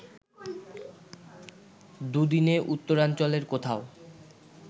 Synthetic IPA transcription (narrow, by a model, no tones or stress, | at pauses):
d̪ud̪ineʔut̪ːoɾant͡ɕoleɾkot̪ʰao